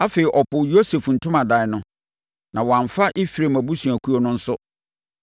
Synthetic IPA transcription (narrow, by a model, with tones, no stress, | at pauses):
a˦fe˨ɾi˨ʔɔ˨pʰʊ˨jo˦se˨fn̩˨tʰʊ̃˦mã˨da˨ɪ˨nʊ̃˦ | nã˨wɔ˨ã˨ɱfa˦ʔɪ˦fi˨ɾe˨mæ˨bu˦sũ˨æ˨kʰu˦o˦nʊ̃˦n̩˦sʊ˦